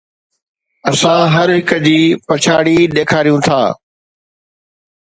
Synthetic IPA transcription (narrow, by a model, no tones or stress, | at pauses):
ɐsãɦɐɾɦɪkəd͡ʑiːpɐt͡ɕʰaːɽiːɗeːkʰaːɾijũt̪ʰa̰ː